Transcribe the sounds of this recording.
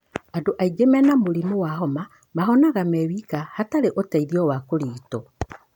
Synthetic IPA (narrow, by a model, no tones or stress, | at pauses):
adoʔaiɡemɛnamoɾimowahɔma | maɦɔnaɣamɛwikahataɾeʔotaiðiɔwakoɾiːtɔ